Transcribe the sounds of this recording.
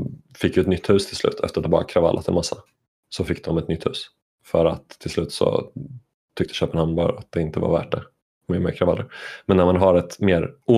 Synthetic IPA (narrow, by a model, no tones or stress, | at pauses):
fɪkːjəɛt̪nʏt̪ːhʉ̟ːst̪ʰɪlslʉ̟ːt̪ʰɛ̰fəɾat̪ɛbɑ̰ːɾa̰kʰɾava̰lːʔat̪ʰɪlmasːa | sɔfɪkːd̪ɔmɛt̪nʏt̪ʰːhʉ̟ːs | fœɾa̰t̪ʰːɪlslʉ̟ːt̪sɔ̰ | t̪ʰʏkt̪ə̥ɕøːpənhamnbɑɾat̪̚d̪ɛɪnt̪əva̰ɾvæ̰ːʈ̚ɖɛ | mɪəɾmḛːkʰɾavalːə̰ɾmɛnːæɾmanɦaɾɛt̪meːɾuː